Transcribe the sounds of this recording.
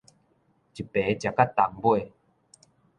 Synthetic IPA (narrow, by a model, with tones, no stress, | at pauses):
t͡ɕi˨˩pːe˨˦t͡ɕja˨˩ka˦t̪ːa˨˦ŋbwe˥˧